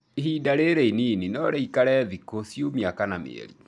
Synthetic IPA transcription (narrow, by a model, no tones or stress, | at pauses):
iɦidaɾeɾeinininɔɾɛikaɾɛðikosiomiakanamḛɛ̰ɾi